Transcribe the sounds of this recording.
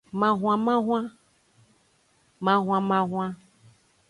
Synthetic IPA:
mã˨ɦw̃ã˨mã˦ɦw̃ã˦ | mã˦ɦw̃ã˧mã˨ɦʷã˦

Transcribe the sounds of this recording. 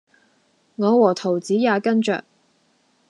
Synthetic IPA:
ŋɔː˨˧wɔː˨˩t̪ʰo˨˩wt͡siː˨˥jaː˨˧kɐ˥nt͡ʃœ̰ː˨k̚

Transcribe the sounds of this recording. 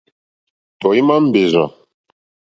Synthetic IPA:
tɔ˨i˦ma˦m̩˦be˨za̰˨

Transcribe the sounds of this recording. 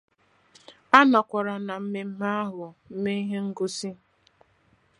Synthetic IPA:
a˦nɔ˨kʷa˨ɾa˨na˨m̩˦me˨m̩˦ma˦a˦ɦʊ˨m̩˦me˦i˦ɦe˦ŋ̩˦ɡʊ˦si˦

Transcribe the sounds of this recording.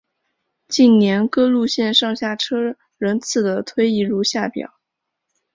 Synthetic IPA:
t͡ɕi˥˩nnjɛ˧˥nkɤ˥lu˥˧ɕjɛ˥˧nʂɑ˥˧ŋɕja˥˩ʈ͡ʂʰɤ˥ | ɻə˧˥nt͡sʰɹ̩˥˩d̪ə˩t̪ʰwe˥ɪi˥˩ɻu˥˧ɕja˥˩pjɑ̰˨˩˦ʊ

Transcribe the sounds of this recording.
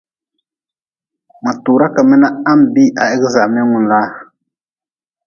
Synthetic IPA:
ma˨tuː˨ɾa˦ka˨mɛ˦na˦a˦m˦˨bi˦ʔa˨ʔɛ˦ɡɪ˦za˨ʔmɛ˦ŋʊ˨n˨laː˦

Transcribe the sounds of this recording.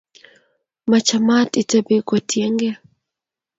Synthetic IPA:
ma˨t͡ʃa˨ma˦ti˨ta˦be˦kɔ˨tjɛ˦ŋɡɛ˦

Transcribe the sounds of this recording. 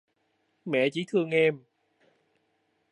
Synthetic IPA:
mɛ̰˧˨t͡ɕi˧˥˦t̪ʰɨ˧əŋʔɛ˧m

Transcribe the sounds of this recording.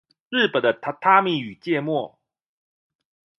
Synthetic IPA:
ɻ̩˥˩pə˨˩nd̪ə˦˥t̪ʰa˥mi˥˩y˨˩t͡ɕjɛ˥˧mwɔ˥˩

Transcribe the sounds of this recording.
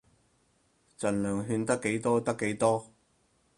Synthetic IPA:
t͡sɐ˨˩nlœː˨˩ŋɦyː˧nt̪ɐ˥kːe˨˥jt̪ɔː˥t̪ɐ˥kːe˨˥jt̪ɔː˥

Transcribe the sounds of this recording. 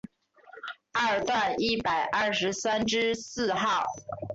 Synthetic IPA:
ə˥˩t̪wa˥˩ni˥˩pa˨˩ɪʔɐ˥˩ʂɻ̩˧˥sa˥nʈ͡ʂɻ̩˥sɹ̩˥˧xɑ˥˩ʊ

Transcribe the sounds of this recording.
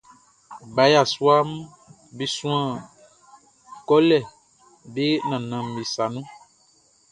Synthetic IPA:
ɡ͡ba˨˦ja˦˨su˦a˦m˦ | be˦sũ˦ã˦˨ | kɔ˦lɛ˦˨ | be˦nã˨nã˨m˨i˨sa˨nũ˦

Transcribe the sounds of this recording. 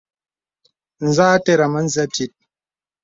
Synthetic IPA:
n̩˨zaː˦tɛ˦ɾa˨ma˦n̩˦zɛ˦pi˦t̚

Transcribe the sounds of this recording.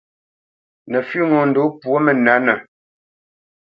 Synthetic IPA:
nə˨fɥi˦ŋɔ˨n̩˨do˨˦pwo˦mə˨na˨˦nə˨

